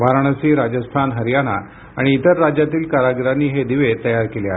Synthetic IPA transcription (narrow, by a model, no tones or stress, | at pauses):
ʋaɾɳ̃əsiːɾad͡ʑəst̪ʰanɦəɾjana̰ | aɽ̃iːt̪əɾːad͡ʑjat̪iːlkaɾaɡɾaniːɦed̪iʋet̪əjaɾkeleaɦ